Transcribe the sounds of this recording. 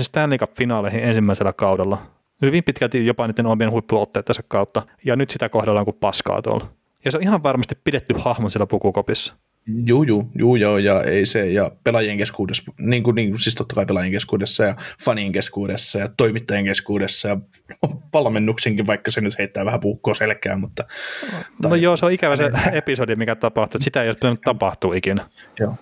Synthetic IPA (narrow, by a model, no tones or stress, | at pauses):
sest̪æːnliːkɑffinɑːlehiensimːæiselːɑkɑudɑlːɑ | hyʋimpit̪kælt̪ijopɑniːt̪ːenompienhuipːuot̪ːeːt̪ːɑsɑkkɑut̪ːɑ | jɑnyt̪sit̪ækohdɑlːɑŋkuppɑskɑ̰ːt̪o̰l | jɑseoihɑʋʋɑrmɑst̪ippidet̪ːyhɑhmonsilːæpukukopisːɑ̥ | juːjuːjuːjoːjɑḛisejɑpelɑjeŋkeskuːdesniːŋkuniːŋkusist̪ot̪ːɑkɑipelɑjeŋkeskuːdesːɑjɑfɑnieŋkeskuːdesːɑjɑt̪oimit̪ːɑjeŋkeskuːdesːɑjɑ | ʋɑlmenːukseŋkiʋʋɑikːɑsenyt̪heit̪ːæːʋæhæpuhkːoːselkːˑæ̰ːmmut̪ːɑ | nojoːseoikæʋæseepisodimikæt̪ɑpɑht̪uet̪sit̪æejost̪pit̪ænyt̪t̪ɑpɑht̪uːikinæjoː